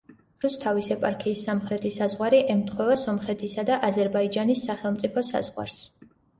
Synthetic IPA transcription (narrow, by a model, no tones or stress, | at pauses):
ɾust̪ʰavisɛpʼaɾkʰiːsːamχɾɛt̪ʰisazʁwaɾiʔɛmt̪ʰχwɛvasɔmχɛt̪ʰisad̪aʔazɛɾbaid͡ʒanisːaχɛlˠmt̪sʼipʰɔsa̰z̥ʁwa̰ɾs